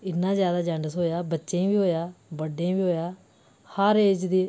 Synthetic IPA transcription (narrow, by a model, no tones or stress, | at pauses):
ɪnːãːzjaːd̪aːd͡ʒãɳɖəsɦoːjaːbətːʃẽːʋiːɦoːjaːbəɖẽbiːɦoːjaː | həɾeːd͡ʒd̪iː